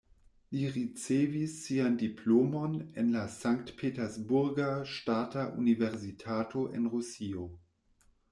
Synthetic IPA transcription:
liʁit͡sevisːiandipʰlomonenlasaŋktpʰetɛsbuɾɡaʃtataʔṵniveʁsitʰatʰoʔḛnʁusio

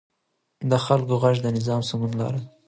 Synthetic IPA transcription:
d̪əxalkoɣaʒd̪ənɪzɑmsamunlɑ̰ɾa

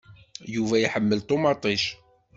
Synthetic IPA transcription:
juvæjiħəmːəlt̪ˤomɑt̪ˤiʃ

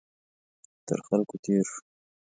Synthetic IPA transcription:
t̪ə̰ɾxalkot̪ʰeɾʂ

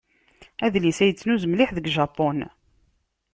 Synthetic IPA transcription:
æðlisæjət͡sːnuzmliħðəɡʒɑpːon

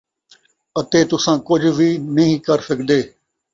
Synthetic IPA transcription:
ət̪eːt̪ʊsãːkʊd͡ʒʱʋiːnəɦĩːkəɾsɪkd̪eː

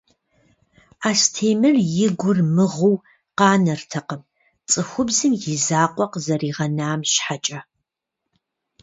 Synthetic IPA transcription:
aːstʰeːmɨrjɪɡʷʊrmɨʁuw | qɑːnɐrtʰɐqəm | t͡sʼɨxʷʊbzɨmjɪzaːqʷʼɔqzɐriːʁɐnaːmʃħat͡ʃʼɐ

